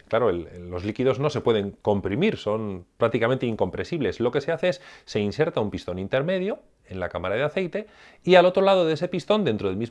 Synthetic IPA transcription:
klaɾoeleːo̞zlikiðo̞zno̞se̞pwe̞ð̞e̞ŋko̞mpɾimiɾso̞npɾak̚t̪ikament̪eiŋko̞mpɾensiβle̞slo̞ke̞se̞aθe̞esːe̞inse̞ɾt̪aumpist̪o̞nint̪e̞ɾme̞ðjo̞ | e̞nla̰kamaɾað̞eaθe̞jt̪e̞ | ialo̞t̪ɾo̞lað̞o̞ðeese̞pist̪o̞nd̪e̞nt̪ɾo̞ð̞elmiz

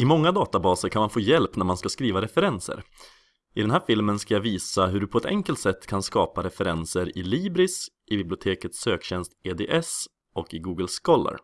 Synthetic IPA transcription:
ɪmɔŋːad̪ɑːt̪abɑːsəɾkʰanmanfoːjɛlpnæɾmanskaskɾiːvaɾɛfɛɾɛnsə̰ɾ | ʔɪd̪ɛnɦæːɾfɪlmənskajaviːsaɦɵɖɵpʰɔɛt̪ʰɛ̰ŋkəlt̪sɛt̪ːkʰanskɑːpaɾɛfɛɾɛnsəɾɪliːbɾɪs | ɪbɪblɪʊt̪ʰeːkət̪søːkɕɛnst̪eːd̪ḛːʔɛs | ɔkɪɡuːɡəlskɔlːə̰ɾ

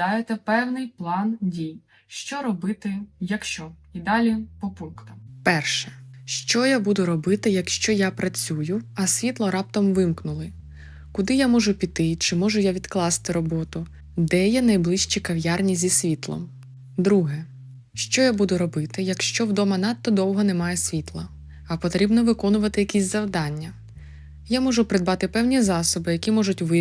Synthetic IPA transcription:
ɑjet̪ɛpɛwnɪjplˠɑndʲij | ʃt͡ʃɔɾɔbɪt̪ɪjɐkʃt͡ʃɔid̪ɑlʲipɔpunkt̪ɐmpɛrʃɛ̥ʃt͡ʃɔjabud̪ʊɾɔbɪt̪ɪjɐkʃt͡ʃɔjapɾɐt͡sʲujʊɐsʲʋʲit̪lˠɔɾɑp̚t̪ɔmʋɪmknʊlˠɪ | kʊd̪ɪjamɔʒʊpʲit̪ɪt͡ʃɪmɔʒʊjaʋʲid̪̥klˠɑst̪ɪɾɔbɔt̪ʊ | d̪ɛjɛnɐjblˠɪʃt͡ʃikɐʋjarnʲizʲisʲʋʲit̪lˠɔ̰m | d̪ɾuɦɛ | ʃt͡ʃɔjabud̪ʊɾɔbɪt̪ɪjɐkʃt͡ʃɔwd̪ɔmɐnɑt̪ːɔd̪ɔwɦɔnɛmɑjɛsʲʋʲit̪lˠɐ | ɐpɔt̪ɾʲibnɔʋɪkɔnʊʋɐt̪ɪjɐkʲisʲzɐwd̪ɑnʲːɐ | jamɔʒʊpɾɪd̪bɑt̪ɪpɛwnʲizɑsɔbɪjɐkʲimɔʒʊtʲʋɪ

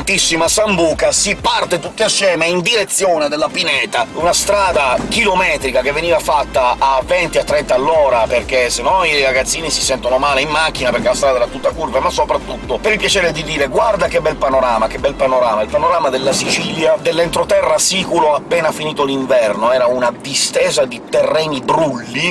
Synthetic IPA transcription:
nt̪isːimasambuːkasipart̪et̪ut̪ːeasːjɛːmeind̪iɾet̪sːjoːned̪elːapinɛːt̪aunast̪ɾaːd̪akilomɛːt̪ɾikak̟evːeniːvafat̪ːaːvɛnt̪iat̪ːɾɛnt̪aːlːɔːɾaperk̟esenːɔniɾaɡat̪sːiːnisisɛnt̪onomaːleimmːak̟ːinapeɾrk̟elast̪ɾad̪ɛɾat̪ːut̪ːakurvemasːopɾat̪ːut̪ːopeɾilpjat͡ʃɛːɾed̪id̪iːɾeɡward̪ak̟ebɛlpanoɾaːmakebːɛlpanoɾaːmailpanoɾaːmad̪elːasit͡ʃiljad̪elːɛnt̪ɾot̪ɛrːasikuloapːɛːnafiniːt̪oliɱvɛrnoɛːɾaunad̪ist̪ɛːzad̪it̪erːɛːnibɾulːi

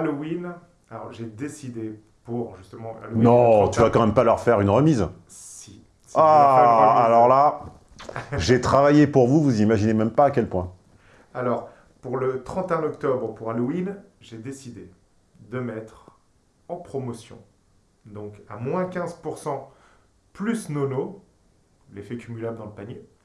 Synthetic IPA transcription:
alowin | alɔ̰ʁʒed̪esid̪e | puʁʒyst̪əmɑ̃a̰lonɔ̃t̪yvakɑ̃mɛmpalœʁfɛʁynʁəmiz | ssi | sa | alɔʁla | ʒet̪χavajepuʁvuvuzimaʒinemɛmpaːkʲɛlpwɛ̃ | alɔʁ | puʁlət̪χɑ̃t̪eɛ̃ɔkt̪ɔbʁəpuʁaluin | ʒed̪esid̪e | d̪əmɛt̪χ | ɑ̃pχɔmɔsjɔ̰̃ | d̪ɔ̃kamwɛ̃kʲɛ̃zpuʁsɑ̃ | plysnono | lefɛkʲymylabləd̪ɑ̃ləpanje

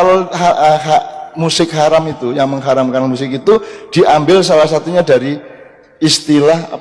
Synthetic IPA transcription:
aloɦaʔəɦaʔmusɪkɦaɾamit̪ujaŋməŋɦaɾamkanmus̬ɪkit̪ud̥i̤ʔambɪlsalahsat̪uɲadaɾi | ist̪ilaha̰

